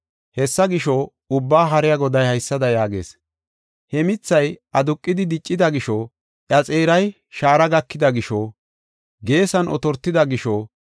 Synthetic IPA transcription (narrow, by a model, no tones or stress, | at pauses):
hɛsːɐɡɪʃɔ | ʊbːaːɦɐɾɪjɐɡɔd̪ɐjhɐjsːɐd̪ɐjaːɡḛːs | hɛmɪt͡sːɐjɐd̪ʊkʼːɪd̪ɪd̪ɪt͡ʃʼːɪd̪ɐɡɪʃɔ | ʔjɐt͡sʼeːɾɐj | ʃaːɾɐɡɐkːɪd̪ɐɡɪʃɔ | ɡe̞ːsɐnʔɔ̰t̪ɔɾt̪ːɪd̪ɐɡɪʃɔ